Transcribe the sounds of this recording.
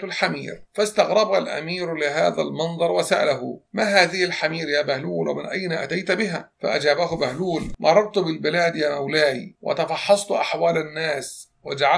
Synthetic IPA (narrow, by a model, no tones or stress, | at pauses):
lħamḭːɾfast̪ɑɣɾˤɑbhalʔa̰miːɾlɪɦaːðalmɑnðˤɑɾˤwasa̰ʔa̰laɦʊ̰manhaːðɪhɪlħamiːɾjaːbahluːlwa̰mɪnʔajnaʔa̰t̪ajt̪bɪɦa̰ːfa̰ʔad͡ʒaːbahʊbahluːlmʔɑ̰rˤːɑɾˤt̪ʊbɪlbɪlaːd̪jaːmawlaːjiwʔa̰t̪ɑfɑħːɑsˤt̪ʊʔaħwaːlanːaːs | wad͡ʒaʕa